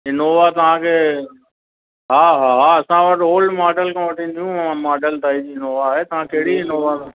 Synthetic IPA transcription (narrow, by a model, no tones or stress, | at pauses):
ɪnoːʋat̪ɐʋ̤ãkʰeː | ɦaːɦaɦaɐsãʋɐʈoːlɖmaːɖəlkʰãːʋɐʈʰĩɗ̪ijũɐʋãmaːɖəlt̪aːid͡ʑiːɪnoːʋaɦeːt̪ɐʋ̤ãkɐɦɪɽiɪnoːʋa